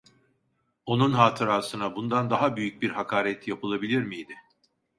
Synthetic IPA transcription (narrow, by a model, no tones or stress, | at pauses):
o̞nunɦaːt̪ʰɯɾaːsɯnabund̪and̪aɦabyjyc̚biɾhakʰaːɾɛt̪japɯlˠabilʲiɾmijd̪ɪ